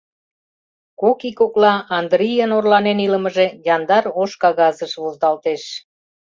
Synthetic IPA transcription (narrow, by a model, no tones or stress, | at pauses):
kokikoklɑɑnd̪ɾijənorlɑneniləməʒe̽jɑnd̪ɑɾoʃkɑɣɑzəʃβozd̪ɑlt̪eʃ